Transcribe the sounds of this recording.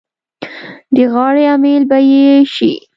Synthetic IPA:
d̪əɣɑɽeamelbajeʃḭ

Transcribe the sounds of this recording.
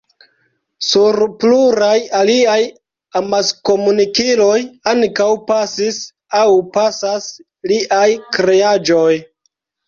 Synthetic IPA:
suɾpluɾajaliaj | amasko̞munikilo̞jaŋkawpasis | awpasas | liʔajkɾead͡ʒoj

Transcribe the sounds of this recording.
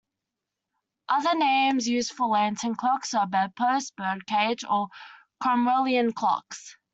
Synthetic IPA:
ʔʌðənẽɪ̃mzjʉːz̥fəlæ̃ntʰə̃nkʰl̥ɔksəbapʰəsb̥əkʰeɪd͡ʒə | kʰɹ̥ɔmɹəlˠiə̃nkʰl̥ɔ̰ks

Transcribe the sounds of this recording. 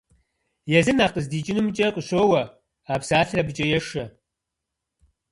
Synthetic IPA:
jɛzɨnaːqʼəzdiːt͡ʃʼɪnumt͡ʃʼɐqʼəɕoːwɐ | aːpsaːɬrɐbɨt͡ʃʼɐjɛʂɐ

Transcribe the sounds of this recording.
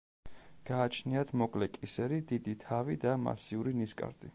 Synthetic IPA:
ɡ̥aːt͡ʃʰniat̪ʰmɔkʼlɛkʼisɛɾid̪id̪it̪ʰavid̪ama̰siuɾiniskʼa̰ɾd̪ʼi

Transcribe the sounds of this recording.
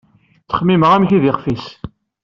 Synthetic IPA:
t͡sːə̥χmiməʁæmçiðɪχfis

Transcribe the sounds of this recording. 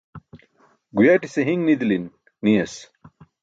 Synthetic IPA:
ɡujaʈiseɦiŋnid̪linː | ijɐs

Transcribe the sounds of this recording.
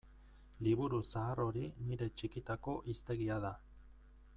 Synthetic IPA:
liβuɾusaːro̞ɾiniɾe̞t͡ʃikit̪ako̞ʔist̪e̞ɣiaða

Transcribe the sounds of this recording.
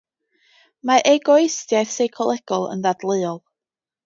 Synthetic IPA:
maʔeɡɔjstjajθsejkʰɔlˠɛɡ̥ɔlˠə̰nðadlˠɨːɔlˠ

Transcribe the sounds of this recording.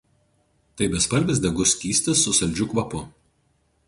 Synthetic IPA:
t̪ɐɪbʲɛspɐlʲbʲɪs̬ʲd̪ʲɛɡʊsʲkʲiːsʲt̪ʲɪsːʊsɐlʲd͡ʒʲʊkʋɐpʊ

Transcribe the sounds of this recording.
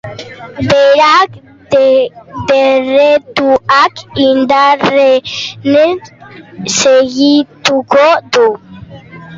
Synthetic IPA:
beɾak | d̪eret̪uakind̪arene | seɣit̪ukod̪u

